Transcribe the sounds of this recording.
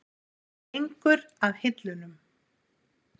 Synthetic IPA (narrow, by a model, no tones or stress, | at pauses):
ejŋkʏɾaðhɪt̪lʏnʏm